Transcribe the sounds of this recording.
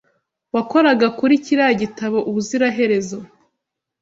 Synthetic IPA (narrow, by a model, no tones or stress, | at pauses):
wako̞ɾaɡakuɾiciɾaɟitaβo̞ʔuβuziɾaɦe̞ɾe̞zo̞